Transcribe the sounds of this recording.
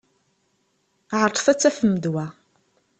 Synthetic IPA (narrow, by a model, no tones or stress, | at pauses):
ʕəɾˤt̪ˤfæt͡sːæfəmːəd̪wæ